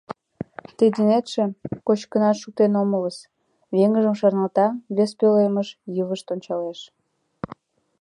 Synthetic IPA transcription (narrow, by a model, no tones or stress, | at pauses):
t̪id̪inet̪ʃĕkot͡ɕkənɑt̪ʃuk̚t̪enomələs | βeŋəʒəmʃɑrnɑlt̪ɑβespøleməʃjəβəʃt̪onʲt͡ɕɑleʃ